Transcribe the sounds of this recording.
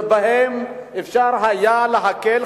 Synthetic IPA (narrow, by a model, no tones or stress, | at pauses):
baɦemɪfʃaːɾɦajalaɦakel